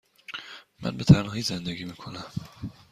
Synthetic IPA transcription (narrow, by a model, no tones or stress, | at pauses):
mæ̰nbet̪ʰæɾnɒhiːzend̪eɡiːmiːkʰonæm